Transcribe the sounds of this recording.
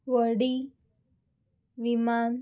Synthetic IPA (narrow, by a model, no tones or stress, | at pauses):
ʋəɽi | ʋiman